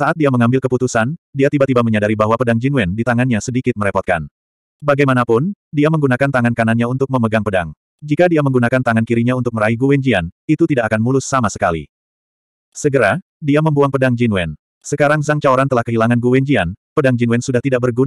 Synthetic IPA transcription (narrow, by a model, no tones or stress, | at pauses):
saʔat̪̚diaməŋambɪlkəput̪usandiat̪ibat̪ibaməɲadaɾibaɦwapədaŋd͡ʒinuwɛndit̪aŋanɲasədikɪt̪̚məɾɛpɔt̪̚ka̰n | baɡajmanapʊndiaməŋɡunakant̪aŋankananɲaunt̪ʊk̚məməɡaŋpəda̰ŋ | d͡ʒikadiaməŋɡunakant̪aŋankiɾiɲaunt̪ʊk̚məɾaiɡuwɛɲd͡ʒianit̪ut̪idaʔakanmulʊsːamasə̥kalḭ | səɡəɾa | diaməmbuaŋpədaŋd͡ʒinuwɛn | səkaɾaŋzaŋt͡ʃaoɾant̪əlahkəɦilaŋanɡuwɛɲd͡ʒianpədaŋd͡ʒinwɛnsudaht̪idaʔ̚bərɡun